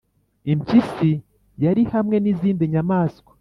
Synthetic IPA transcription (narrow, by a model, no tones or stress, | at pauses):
imcisi | jaɾihamŋe̞niziːndiɲamaːskwo̥